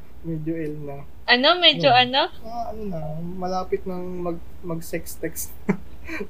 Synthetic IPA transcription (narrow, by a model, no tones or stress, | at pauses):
mɛd͡ʒoʔɛlnɐ | ʔɐno̞mɛːd͡ʒd͡ʒoʔɐno̞ | aʔɐnonɐmɐlaːpɪt̪̚nɐŋmɐɡ̚ | mɐɡsɛkst̪ɛkst̪